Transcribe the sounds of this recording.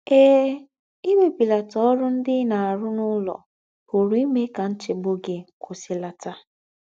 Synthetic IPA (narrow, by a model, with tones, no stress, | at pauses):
eː˦ | i˦me˦pi˨la˨tɔ˨ɔ˦ɾʊ˦n̩˦dɪ˦na˨a˨ɾʊ˦nʊ˦lɔ̰˨ | ho˨ɾu˨i˦me˦ka˨n̩˦t͡ʃɪ˨ɡ͡bo˦ɡe˨kʰʊ˨si˨la˨ta˦